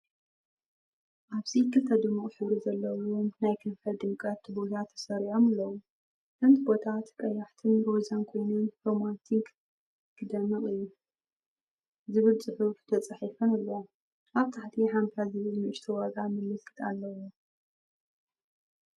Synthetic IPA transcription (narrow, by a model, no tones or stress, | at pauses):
ʔaβsikʰɨt̪ʰɐd̪ɨmuχʼħɨβɾizɐlːɐwomnajkʰɨnfɐd̪ɨmkʼɐt̪bo̞t̪ʰat̪ʰːɐ̥sɐɾiʕomalːɐwu | ʔɨnt̪bo̞t̪ʰat̪kʼɐjaħt̪ʰɨnɾozankʰo̞jnunfomat̪ʰik | kɨd̪ɐmɨχʼɨjːu | zɨβɨlt͡sʼɨħuft̪ʰɐt͡sʼaħifɐnalːɐw | ʔaβt̪ʰaħt̪ʰiħamt̪ʰazɨβɨlmɨʔɨʃt̪ʰɐwaɡamɨlːɨfkɨt̪alːɐwu